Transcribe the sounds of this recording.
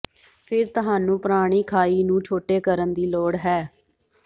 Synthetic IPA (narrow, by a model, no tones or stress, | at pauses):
pʰɪɾt̪ʊɦaːnũːpɾaːɽ̃iːkʰaːiːnũːt͡ʃʰoːʈeːkəɾənd̪iːloːɽɦɛː